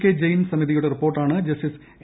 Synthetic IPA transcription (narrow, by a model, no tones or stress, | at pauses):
kʲːed͡ʑejnsɐmiðijuɽe̞ripːoːrʈːaːɳɨd͡ʑɐsʈis